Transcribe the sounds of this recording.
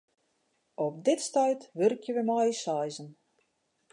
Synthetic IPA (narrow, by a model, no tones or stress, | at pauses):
ɔp̚dɪtstœjtʋørkjəʋəmɔjsajzən